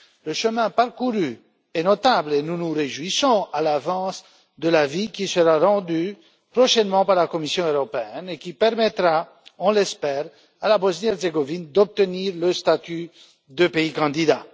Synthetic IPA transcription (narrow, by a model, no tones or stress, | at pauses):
ləʃəmɛ̃paʁkuʁy | ɛnɔt̪ablenunuʁeʒwisɔ̃alavɑ̃s | d̪əlavikʲisəʁaʁɑ̃d̪y | pχɔʃɛnmɑ̃paʁlakɔmisjɔ̃øʁɔpeɛnekʲipɛʁmɛt̪ʁa | ɔ̃lɛspɛːʁ | alabɔznjɛʁzeɡɔvind̪ɔp̚t̪əniʁləst̪at̪y | d̪əpeikɑ̃d̪id̪a